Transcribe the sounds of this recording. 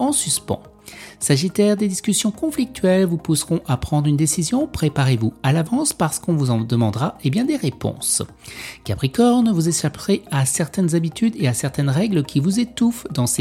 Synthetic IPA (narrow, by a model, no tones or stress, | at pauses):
ɑ̃syspɑ̰̃ | saʒit̪ɛʁd̪ed̪iskʲysjɔ̃kɔ̃flik̚t̪ɥɛlvupusʁɔ̃ʔapχɑ̃d̪ʁynd̪esizjɔ̃pχepaʁevualavɑ̃spaʁsə̥kɔ̃vuzɑ̃d̪əmɑ̃d̪ʁaebjɛ̃d̪eʁepɔ̰̃s | kʲapχikɔʁnəvuzeʃapʁeasɛʁt̪ɛnzabit̪yd̪easɛʁt̪ɛnʁɛɡləkʲʰivuzet̪ufd̪ɑ̃se